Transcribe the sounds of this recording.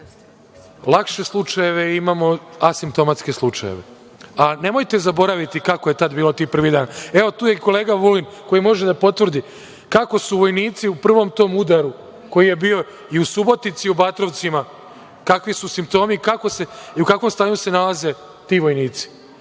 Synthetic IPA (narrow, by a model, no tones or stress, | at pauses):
lˠakʃe̞slˠut͡ʂaje̞ʋe̞imaːmo̞asimpt̪o̞mat̪ske̞slˠut͡ʂa̰jḛʋḛ | ane̞mo̞jt̪e̞zabo̞ɾaʋit̪ikakoje̞t̪ad̪biːlo̞t̪iːpr̩ʋid̪aːne̞o̞t̪uːje̞ko̞leːɡaʋulinko̞jimo̞ʒed̪apo̞t̪ʋr̩d̪i | kako̞suʋo̞jniːt̪siupr̩ʋo̞mt̪o̞ːmud̪aɾu | ko̞jije̞bio̞ | iusubo̞t̪it̪siubat̪ɾo̞ʋt̪sima | kakʋisusimp̚t̪o̞ːmikako̞se̞iukakʋo̞mst̪aːɲuse̞nalaze̞ | t̪iːʋo̞jniːt̪si̥